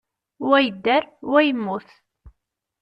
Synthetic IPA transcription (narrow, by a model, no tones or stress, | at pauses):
wæjəd̪ːæɾwæjəmːʊθ